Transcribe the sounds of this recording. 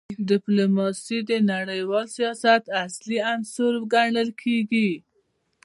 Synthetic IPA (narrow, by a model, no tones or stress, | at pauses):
dɪplumɑsid̪ənaɽəjwɑlsijɑsat̪asliansoɾɡaɳəlkʰeɡi